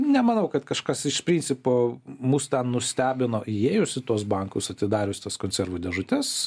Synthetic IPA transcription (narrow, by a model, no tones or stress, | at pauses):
nʲɛmɐnɐʊkɐt̪kɐʃkɐsɪʃpʲɾʲiːnʲt͡sʲsʲɪpoːmuːst̪ʲɛnnʊsʲt̪ʲæːbʲɪnoːʔɪeːjʊsʲɪt̪uɔs̬bɐŋkʊsɐt̪ʲɪd̪ɑːɾʲʊsʲt̪ɐskoːnʲsʲɛɾʋud̪ʲɛʒʊt̪ʲɛs